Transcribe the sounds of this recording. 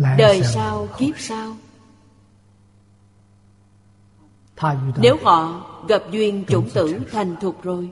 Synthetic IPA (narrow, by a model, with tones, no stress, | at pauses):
ɗəː˨˩jsaː˧wɣi˦˥p̚saː˧w | ne˨˦whɔ̰˧˨ɣə˨˩p̚zwi˨˩ənt͡ɕʊ˧˥˦ŋ͡mt̪ɨ̰˧˥t̪ʰa˨˩jŋ̟t̪ʰʊ˨˩k͡p̚zo˨˩j